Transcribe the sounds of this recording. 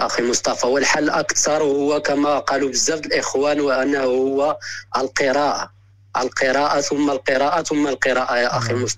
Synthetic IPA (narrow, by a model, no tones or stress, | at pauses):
ʔæximʊst̪ˤɑfɑwəlħalːʔəkt̪ɑɾˤhʊwːækæmæqɑlubəzːæfd̪əlʔəxwænwʔænːæhhʊwːæʔəlqəɾˤɑʔa | ʔə̰lqəɾˤɑʔat̪ʊmːalqəɾˤɑʔat̪ʊmːalqəɾˤɑʔajæʔaximʊst̪ɑ